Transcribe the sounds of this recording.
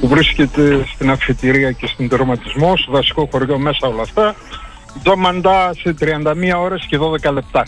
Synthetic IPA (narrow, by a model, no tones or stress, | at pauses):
puvɾisce̞t̪e̞st̪inɐfit̪iɾiɐce̞st̪ind̪eɾomɐt̪izmosevɐsi̥koxo̞ɾʝo̞me̞sɐo̞lɐft̪ɐ | izomɐnd̪ɐset̪ɾiɐnd̪ɐmiɐo̞ɾe̞sceðo̞ðe̞kɐle̞p̚t̪ɐ